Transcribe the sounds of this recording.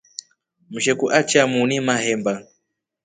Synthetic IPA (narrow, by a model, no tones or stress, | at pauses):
m̩ʃɛkuʔat͡ʃamunimahɛmba